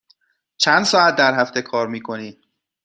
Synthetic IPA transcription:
t͡ʃʰænd̪sɒːæt̪̚d̪æɾɦæft̪e̞kʰɒːɾmiːkʰo̞niː

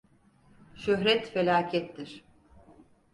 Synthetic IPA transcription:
ʃøɦɾɛt̪felʲaːcʰɛt̪ːiɾ̥

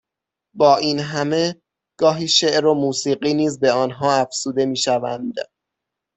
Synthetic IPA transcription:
bɒːʔiːnɦæme̞ | ɡ̥ɒːɦiːʃeʔɾomuːsiːɢiːniːzbe̞ɒːnɦɒːæfz̥uːd̪e̞miːʃævænd̪

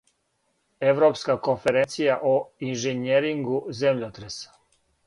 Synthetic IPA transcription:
e̞ʋɾo̞pskako̞nfe̞ɾent̪sijaʔoinʒeneɾiŋɡuzemʎot̪ɾesḁ

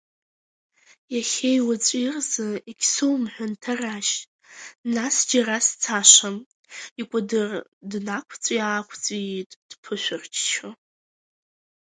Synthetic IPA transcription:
jaχʲejwat͡sʷʼirzɨikʲʰsɨwmħʷᶣʊntʰaraʃ | nasd͡ʒarast͡sʰaʃʷam | ikʷʼadɨrdnakʷʰt͡sʷʼiaːkʷʰt͡sʼitʼd̥pʰɨʃʷᶣʊrt͡ʃʰt͡ʃʰa

